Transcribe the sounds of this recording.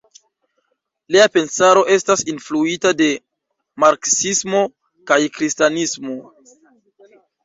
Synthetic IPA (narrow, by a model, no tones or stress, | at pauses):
liape̞nsaɾo̞ʔe̞stasinfluitade̞ | maɾksismo̞ | kajkɾistanismo̞